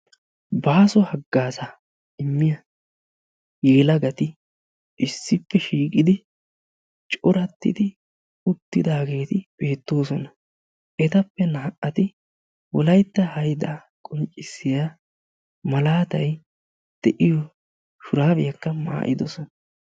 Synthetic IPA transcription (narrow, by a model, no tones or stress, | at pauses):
baːsɔhɐɡːaːsɐ | ɪmːɪjɐ | jeːlɐɡɐt̪ɪ | ʔɪsːɪpːɛʃiːkʼɪd̪ɪ | t͡ʃʼɔɾɐt̪ːɪ̰d̪ɪ | ʊt̪ːɪd̪aːɡe̞ːt̪ɪb̥e̞ːt̪ːo̞ːsɔnɐ | ʔɛt̪ɐpːɛnaːʔɐt̪ɪ | wɔlɐjt̪ːɐhɐjd̪a | kʼɔnt͡ʃʼːɪsːɪja | mɐlaːt̪ɐj | d̪̥ɛʔɪjɔ | ʃʊɾaːbɪjɐkːɐma̰ːʔɪd̪ɔsɔnɐ